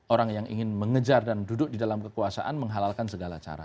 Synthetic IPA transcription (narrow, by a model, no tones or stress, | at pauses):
ʔoɾaŋjaŋʔḭŋɪnməŋəd͡ʒardandudʊk̚didalamkəkuasa̰ʔanməŋɦalalkansəɡalat͡ʃa̰ɾa̰